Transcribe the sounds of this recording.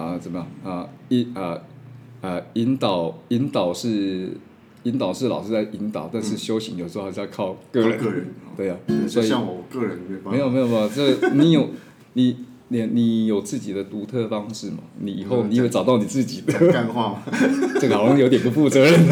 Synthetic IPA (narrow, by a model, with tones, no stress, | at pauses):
ə˨t͡sə˨˩mə˦jɑ˥˩ŋə˧i˧˥ə˧˩ | ə˨˩i˧˦˥nt̪ɑ˨˩ʊi˧˥nt̪ɑ˨˩ʊʂɻ̩˥˩ | i˧˥nt̪ɑ˨˩ʊʂɻ̩˥˩lɑ˨˩ʊʂɻ̩˥˧t͡sa˥˩ɪʔi˧˥nt̪ɑ̰˨˩ʊt̪a˥˧nʂɻ̩˥˩ɕjo˥ʊɕi˧˦ŋjo˨˩sʂə˥˧˥jɑ˥˧kʰɑ˥˧ʊkɤ˥˩ɻə˧˦˥ə˧˦t̪we˥˩ɪɐ˩swɔ˧˥i˨˥˨ɔ˨˩kɤ˥˧ɻə˧˦ne˧˥˧e˧˥jo˨˩me˧˥jo˨˩˥ʈ͡ʂə˥˩ɡni˨˥jo˨˩ʊ | ni˨˩ | ni˨˩ni˨˩jo˨˩ʊt͡sɹ̩˥˩t͡ɕi˨˩d̪ə˩t̪u˧˥t̪ʰɤ˥˧fɑ˥ŋʂɻ̩˥˩mɐ̰˨˩ni˨˩i˨˩xo˥˩ʊni˨˥we˥˩ɪʈ͡ʂɑ˨˩t̪ɑ˥˩ʊni˨˩t͡sɹ̩˥˩t͡ɕi˨˩d̪ə˦a˥˧nxwa˥˧t͡ɕʰjo˧ʊt̪jɛ˨˩np̬u˧˥fu˥˩t͡sə˧˦ɻə˨˦n